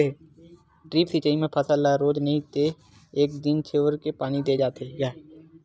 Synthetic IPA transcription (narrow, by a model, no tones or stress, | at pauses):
e | ʈɾiːpsiːt͡ʃaimẽpʰəsəlaɾoːd͡ʒnəɦĩt̪e | eːkd̪ɪnt͡ʃʰeːʋəɾkepaːnid̪eːd͡ʒaːt̪eɡɛː